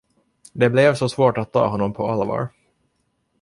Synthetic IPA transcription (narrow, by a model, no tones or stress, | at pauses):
d̪ɛblɛvsɔsvoːʈat̪ʰːɑ̰ːɦɔnːɔmpʰɔalvɑ̰ːɾ